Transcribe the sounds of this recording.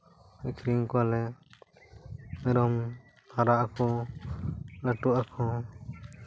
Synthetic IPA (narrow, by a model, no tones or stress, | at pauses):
mɛkʰɾiŋkɔalɛ | mɛɾɔm | t̪ʰaɾaʔkɔ | laʈuʔakʰɔ̃